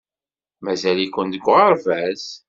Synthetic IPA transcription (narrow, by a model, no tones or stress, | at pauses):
mæzælikʷənd̪əɡʷːʁɑɾˤvæz